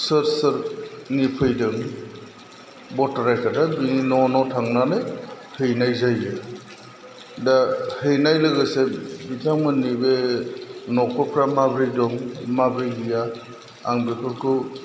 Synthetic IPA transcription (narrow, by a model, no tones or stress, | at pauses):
sɯɾsɯɾnipʰɯjdɯŋ | bɔtaɾajkʰadabininɔnɔtʰaŋnanɯj | hɯjnajzajɯ | dahɯjnajlɯɡɯsebitʰaŋmɯnibe | nɔkʰɔpʰɾamabɾijdɔŋmabɾijɡijaː | ŋbekʰɯɾkʰɯ